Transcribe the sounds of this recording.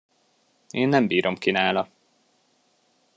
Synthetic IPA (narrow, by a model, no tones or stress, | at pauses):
eːnːɛmbiːɾo̞mkinaːlɒ